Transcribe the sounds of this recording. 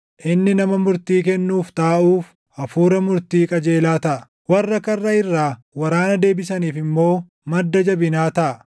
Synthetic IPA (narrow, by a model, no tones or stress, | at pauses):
ʔɪnːɪnɐmɐmʊɾt̪iːkɛnːuːft̪aːʔuːf | ʔɐfuːɾɐmʊɾt̪iːkʼɐd͡ʒe̞ːlaːt̪ɐʔɐ | wɐrːɐkɐrːɐɪrːaː | wɐɾaːnɐd̪e̞ːbɪsɐniːfɪmːo̞ː | mɐd̪ːɐd͡ʒɐbɪnaːt̪ɐʔɐ